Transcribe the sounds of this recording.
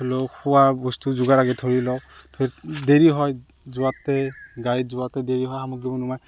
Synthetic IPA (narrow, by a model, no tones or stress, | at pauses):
olokʊwaɹbɔstuzuɡaɹaɡɛtʰoɹilɔtʰoideɹiɦɔj | zʊwatːɛɡaɹizʊwatɛdeɹiɦɔjxamɔɡɹibɔnumaj